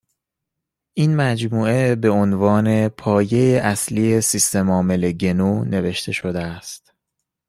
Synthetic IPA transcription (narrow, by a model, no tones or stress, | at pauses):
ʔiːnmæd͡ʒmuːe̞be̞onvɒːne̞pʰɒːje̞jeʔæsliːesist̪e̞mɒːme̞leɟe̞nuːne̞ve̞ʃt̪ʰe̞ʃo̞d̪eæst̪